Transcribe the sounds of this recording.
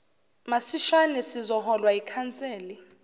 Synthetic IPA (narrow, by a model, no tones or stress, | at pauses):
masiʃanɛsizɔhɔlwaikʰant͡sʼeːli